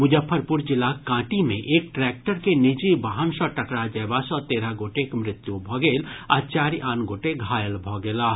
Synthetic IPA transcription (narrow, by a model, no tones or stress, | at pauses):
mʊd͡ʒəpʰːəɾpʊɾd͡ʒɪlakãːʈimẽʔeːk̚ʈɾɛːk̚ʈəɾkenɪd͡ʒibaɦənsɔ̃ʈəkɽad͡ʒɛːbasɔːt̪eːɾaɡoːʈekmɾɪt̪jubʱɔɡeːla̰t͡ʃaːɾiʔaːnɡoːʈeɡʱaːjəlbʱɔɡelaː